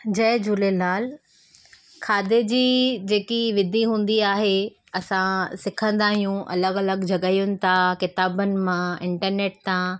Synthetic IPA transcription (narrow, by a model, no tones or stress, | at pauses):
d͡ʑɐːd͡ʑʊlelaːl | kʰaːd̪ed͡ʑiːd͡ʑeːkiʋɪd̪ʱiɦũːn̆d̪iaːɦe | ɐsãsɪkʰə̃nd̪aːɦijũʔɐ̰ləɡɐləɡd͡ʑʱɐɡəijʊnɪ̆t̪ʰakɪt̪aːbənɪ̆mãɪ̃ɳʈəɾneːʈ̚t̪ã